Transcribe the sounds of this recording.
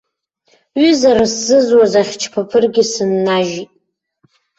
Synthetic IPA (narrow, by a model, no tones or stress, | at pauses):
ɥʏzaɾaszɨzwazaχʲt͡ʃʰpʰapʰɨrɡʲɪsɨnːaʒitʼ